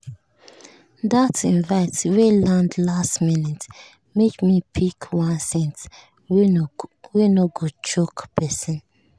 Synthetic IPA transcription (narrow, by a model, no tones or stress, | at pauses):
datĩnvaɪtwelãndlastminɛt | mekmipʰikʰwãnsɛ̃nt | wenoɡot͡ʃokpʰɛsɔ̃n